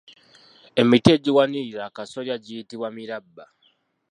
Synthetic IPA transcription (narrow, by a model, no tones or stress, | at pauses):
e̞mitie̞ːɟiwaniiɾaːkaso̞ɾjaɟiːtiβwamiɾabːa